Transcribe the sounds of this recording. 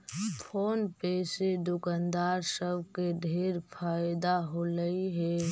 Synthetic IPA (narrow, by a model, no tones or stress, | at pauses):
pʰoːnpeːsed̪ʊkənd̪aːɾsəbʱkeɖʱeːɾpʰaːjd̪aɦoləiɦɛː